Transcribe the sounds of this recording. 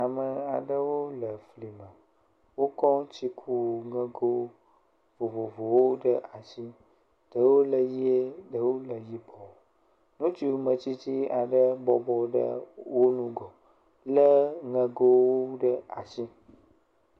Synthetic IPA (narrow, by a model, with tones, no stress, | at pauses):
a˨mə˨a˨ɖə˦wo˦lə˨fli˨mə̃˨ | wo˦kɔ˦t͡ɕi˦kʰu˦˨ŋə̃˦ɡo˦ | vo˨vo˨vo˨wo˦ɖə˦ʔa˨si˦ | ɖ̥ə˨wo˦lə˨ji˦e˦ɖə˨wo˦lə˨ji˦bɔ˨ | nũ˦t͡ʃi˦˨mə̃˨t͡ɕi˦t͡ɕi˦a˨ɖə˦bɔ˦bɔ˦ɖə̰˦wo˦nũ˦ɡɔ˨ | lə˦ŋə̃˦ɡo˦wo˦ɖə˦a˨si˦